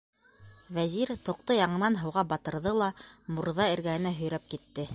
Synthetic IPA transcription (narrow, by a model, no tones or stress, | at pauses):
væziɾt̪ŏq̚t̪ojɑɴɤ̆nɑnɦɤ̆wʁɑbɑt̪ɤ̆ɾðɤlˠɑmuɾðɑɘ̆ɾɡæhɘ̆næɦɵ̆jɾæp̚kit̪ːɘ